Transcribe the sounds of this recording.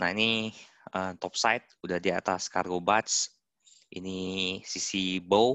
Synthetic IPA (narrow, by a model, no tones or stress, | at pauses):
na̰ini | əmt̪ɔp̚sajt̪̚udahdiat̪aska̰rɡobat̪s | ʔḭnisisibow